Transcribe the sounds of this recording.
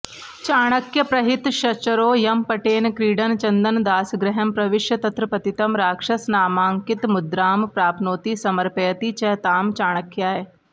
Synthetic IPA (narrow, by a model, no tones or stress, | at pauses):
t͡ʃaːɽ̃ɐkjɐpɾɐɦɪt̪ʃɐt͡ʃɐɾoːjɐmpɐʈeːnkɾiːɖɐnt͡ʃɐnd̪ɐnd̪aːsɡɾɪɦɐmpɾɐʋɪʃjɐt̪ɐt̪ɾɐpɐt̪it̪ɐmɾaːkʂɐsnaːmaːŋkɪt̪mʊd̪ɾaːmpɾaːpʰnoːt̪isɐmɐɾpɐjɐt̪it͡ʃɐt̪aːmt͡ʃaːɽ̃ɐkjaːe